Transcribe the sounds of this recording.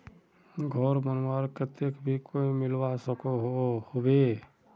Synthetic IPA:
ɡʱɔɾmənmaɾkət̪ekbʱikʰoimɪlwasəkoɦohobe

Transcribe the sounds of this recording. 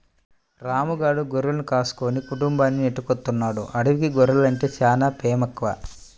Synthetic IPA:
ɾaːmuɡaːɽuɡoɾulɐnukaːsu̥koːnikuʈumbaːnːineʈːukot̪ːunːaːɽṵʔɐɽuʋikiɡoɾulɐɳʈe̞ːt͡ʃaːnaːpeːmɐkʋa

